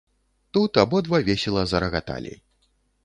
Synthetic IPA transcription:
t̪ut̪abɔd̪vavʲesʲɛlˠɐzɐɾɐɣat̪a̰lʲḛj

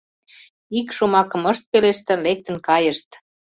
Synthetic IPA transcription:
ikʃumɑkɤ̆məʃt̪̚peleʃt̪ĕlek̚t̪ə̆nkɑjəʃt̪

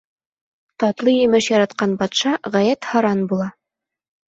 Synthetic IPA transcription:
t̪ɑt̪lˠɤjɘ̆mɘʃjɑɾɑt̪qɑnbɑt̪ʃɑʁæjæt̪hɑɾɑnbulˠɑ

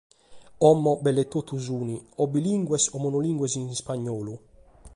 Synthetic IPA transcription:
ɔmːɔbɛlːɛt̪ːot̪ːuzuːniɔbiliŋɡwɛsɔmɔnoliŋɡwɛzinspaɲːɔːlu

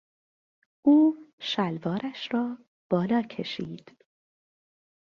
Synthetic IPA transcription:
ʔuːʃælvɒːɾæʃrɒː | b̥ɒːlɒːcʰe̞ʃḭːd̪̥

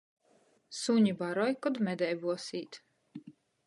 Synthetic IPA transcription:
suɲibaɾɔjkɔd̪mɛd̪ɛjbuɔsiːt̪

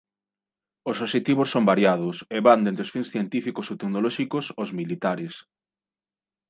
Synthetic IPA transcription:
ʊsoʃet̪iβʊsːombaɾjaðʊseβand̪ent̪ɾeosfiŋsθjent̪ifikʊsot̪eknolɔʃikʊsozmilit̪aɾɪs

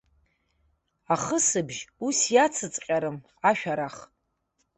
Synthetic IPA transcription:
aχəsɨbʒusjat͡sʰɨt͡sʼqʲʼaɾɨm | aʃᶣaɾaχ

